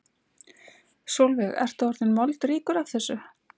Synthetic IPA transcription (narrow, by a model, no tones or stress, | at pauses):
sowlvɪɣɛ̰ɾ̥t̪ɔɾt̪ɪnmɔlt̪ɾiːkʏɾav̥θɛsːʏ